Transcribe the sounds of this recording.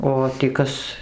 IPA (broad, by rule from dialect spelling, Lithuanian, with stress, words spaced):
ˌoː tʲiː ˈkɐs